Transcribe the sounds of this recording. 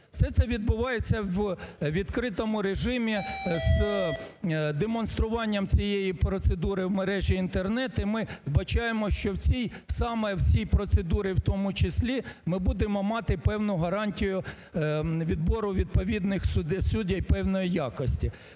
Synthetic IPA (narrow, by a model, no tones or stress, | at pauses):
wsɛt̪sɛʋʲid̪bʊʋɑjet͡sʲːɐwʋʲid̪kɾɪt̪ɔmʊɾeʒɪmʲiz | d̪emɔnst̪ɾʊʋɑnʲːɐmt͡sʲijejipɾɔt̪sed̪uɾɪwmeɾɛʒʲiint̪ernɛt̪ʊimɪbɐt͡ʃɑjemɔʃt͡ʃɔwt͡sʲijsɑmɛwsʲijpɾɔt̪sed̪uɾɪwt̪ɔmʊt͡ʃɪsʲlʲimɪbud̪emɔmɑt̪ɪpɛwnʊɦɐɾɑnʲtʲijʊ | ʋʲid̪bɔɾʊʋʲid̪̚pɔʋʲid̪nɪxsd̪sudʲɐjpɛwnɔjijɑkɔsʲtʲi